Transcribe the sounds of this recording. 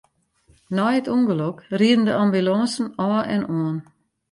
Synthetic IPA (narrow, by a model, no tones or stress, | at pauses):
nɔjətuŋɡəlokriədn̩dəambylɔːnsn̩ɔːʔɛ̰noən